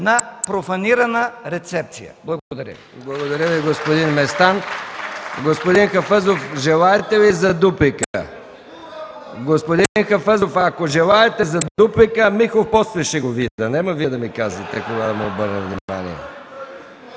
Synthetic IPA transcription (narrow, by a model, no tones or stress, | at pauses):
nɐpɾofɐniɾɐnəɾɛt̪sɛp̚t̪sijə̰blˠɐɡod̪ɐɾʲə̰ | blˠɐɡod̪ɐɾʲjəviɡospod̪inmɛst̪an | ɡospod̪inxɐfəzofʒɛlˠaɛt̪ɛvizɐd̪upikə | ɡospod̪inxɐfɛzofakoʒɛlˠaɛt̪ɛzɐd̪upikəmixˠofpɔslɛʃɛɡoviɐnɛmɐvid̪ɐmikazɐt̪ɛkoɡad̪ɐmiobəɾnɛvnʲima̰nḭɛ̰